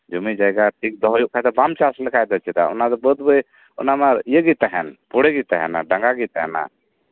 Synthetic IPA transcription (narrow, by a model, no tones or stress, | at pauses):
d͡ʒumid͡ʒajɡaʈʰik̚d̪ɔɦjuʔkʰad̪ɛbamt͡ʃaslɛkʰajd̪ɔt͡ʃʰit̪a̰ṵnad̪ɛbəd̪̚bəj | ṵnamaɾijəɡit̪aɦɛnpuɽɛɡit̪aɦɛ̰na̰ɖəŋɡaɡit̪aɦɛ̰na̰